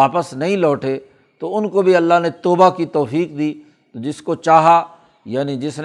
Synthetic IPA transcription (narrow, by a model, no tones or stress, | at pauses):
aːpəsnɐɦĩlɔːʈe | t̪oʊnkobʱiɐlːaɦnet̪ɔːbakit̪ɔːfiːkd̪iː | t̪od͡ʒɪskot͡ʃaːɦa | jaːnid͡ʒɪsn